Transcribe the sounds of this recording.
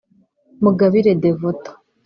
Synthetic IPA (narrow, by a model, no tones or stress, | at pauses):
muɡaβiɾedevotḁ